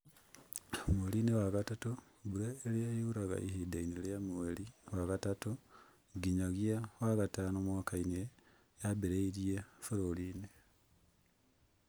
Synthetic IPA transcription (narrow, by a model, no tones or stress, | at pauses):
omuelinewakatato | βuɾeːlijajuuɾaɣa̰ʔihidaineljamueliwakatato | ɡiɲaɣjawakatanomwakaine | jabeɾeiɾiefoɾoline